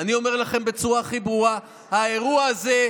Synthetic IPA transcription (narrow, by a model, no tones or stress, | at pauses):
anio̞me̞ʁlaχe̞mbe̞t͡suʁaχibʁua | haeʁuaaze̞